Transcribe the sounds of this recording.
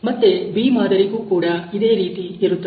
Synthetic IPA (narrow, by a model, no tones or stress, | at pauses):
mɐt̪ːebiːmaːd̪ɐɾiɡuːkuːɽɐid̪e̞ːɾiːt̪ieɾut̪ːɐ